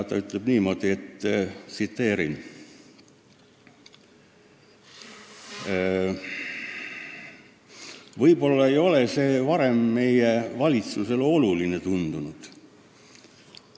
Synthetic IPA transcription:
t̪ɑyt̪ˑle̞b̥niːmo̞d̪̥ie̞t̪ːsit̪ːe̞ːɾin | vɤjbo̞lːɑe̞jo̞le̞se̞ːvɑɾe̞mːe̞jevɑlʲit̪suse̞lo̞luline̞t̪und̪̥unud̪̥

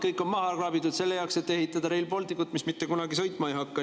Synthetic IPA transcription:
kɤjkːˑo̞nmɑɦɑkrɑbit̪ːˑud̪̥se̞lːe̞jɑwkse̞t̪ːe̞hit̪ːˑɑd̪̥ɑɾejlpo̞lt̪ikːˑut̪ːˑmismit̪ːe̞kunɑɡisɤjt̪ˑmɑejɦɑkːɑ

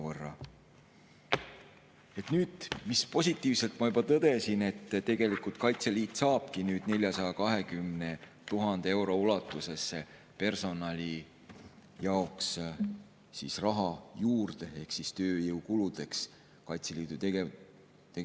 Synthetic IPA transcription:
vɤrːɑ̰ | e̞t̪nyːd̪̥mispo̞sʲit̪ːˑiːvse̞lt̪mɑjybɑt̪ɤd̪̥e̞sine̞t̪ːˑt̪e̞ɡ̥e̞likult̪̚kɑjt̪se̞liːt̪ːˑsɑːb̥kinyːd̪̥ne̞lʲjɑsɑj̪ɑkɑɦe̞kymne̞ | t̪uɦɑnd̪̥ee̞wɾo̞ulɑt̪ːˑuse̞sːe | pe̞rso̞nɑlʲi | jɑoks | sḭsrɑɦɑjuːrd̪̥e̞e̞hksist̪øːjɤwkulud̪̥e̞ks | kɑjt̪se̞liːd̪̥uee | t̪e

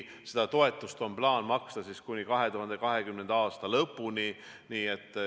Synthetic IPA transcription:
se̞d̪̥ɑt̪o̞e̞t̪ːˑust̪o̞mplɑːnmɑkst̪ɑsiskunʲikɑɦe̞t̪uhɑnd̪e̞kɑɦe̞kymnend̪ɑːst̪ɑlɤpːˑuni | niːet̪ːˑ

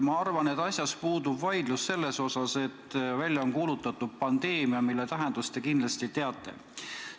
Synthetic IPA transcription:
mɑɑrvɑnet̪ːɑsʲjɑspuːd̪ubvɑjd̪̥lusːe̞lːe̞so̞sɑse̞t̪ːvælʲːjɑonkuːlut̪ːˑɑt̪ːud̥̪̚pɑnd̪̥e̞ːmiɑmilːet̪æɦe̞nd̪̥ust̪e̞kind̪lɑst̪it̪e̞ɑt̪ːˑe̞̰

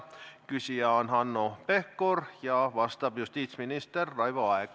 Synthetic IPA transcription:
kysiæonhɑnːopehkorjɑʋɑst̪ɑpjust̪iːt̪sminist̪erːɑiʋoɑek

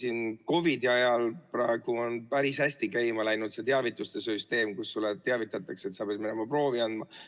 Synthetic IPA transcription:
siːnko̞vid̪̥iɑjɑlprɑe̞ɡ̥uonpæɾishæsʲt̪ikæjmɑlæjnud̪̥se̞t̪eɑvit̪ːˑust̪e̞syst̪e̞ːmkusːulːet̪eɑvit̪ːˑɑt̪ːˑɑkse̞t̪sɑpeɑd̪mine̞mɑpro̞ːviɑnd̪mɑ

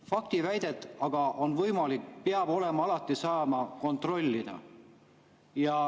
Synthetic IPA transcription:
fɑkt̪ivæjd̪̥e̞t̪ːˑɑɡ̥ɑʔo̞nvɤjmɑlikpeɑb̥o̞le̞mɑɑlɑt̪ˑːisɑːmɑko̞nt̪ro̞lʲːid̪̥ɑ̰ | jɑ

